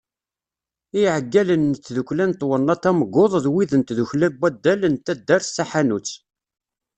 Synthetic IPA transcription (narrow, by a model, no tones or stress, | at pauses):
iʕəɡːælənːət͡sːðuklænt̪wənːɑt̪æməɡoðˤðwiðənt̪ðuçlæbæd̪ːælənt̪æd̪ːæɾθsaħanut͡sː